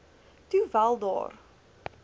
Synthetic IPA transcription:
tuvælˠdɑ̰ːr

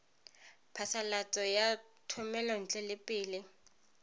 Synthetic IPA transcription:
pʰasalat͡sʼɔja | tʰʊmɛlɔn̩t͡ɬʼɛlɪpʼɪːlɪ

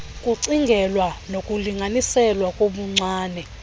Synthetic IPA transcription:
kʼuǀiŋɡʱɛlwanokʼuliŋɡʱanisɛlwakʼoɓuŋ͡ǀaːnɛ

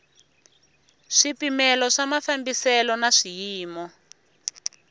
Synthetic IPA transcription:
ʂipimɛlɔʂamafambisɛlɔnaʂijiːmɔ

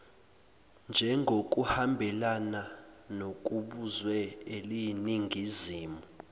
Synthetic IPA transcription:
nd͡ʒʱɛŋɡʱok̬ʼuhambʱɛlananok̬ʼuɓuzwɛelijniŋɡʱiziːmu

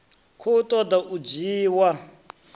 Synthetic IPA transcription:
kʰoutʼɔd̪aʔud͡ʒiːwa

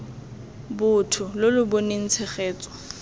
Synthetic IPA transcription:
bʊtʰʊlʊlʊboneŋ̩t͡sʰɛχeːt͡sʼɔ̥

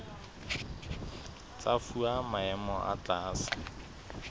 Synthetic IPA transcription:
t͡safuamaɛmɔʔa̰t͡ɬaːsḁ

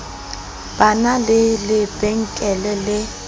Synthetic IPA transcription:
b̥analɪlɪb̥eŋ̩kʼɛlɛlɪ

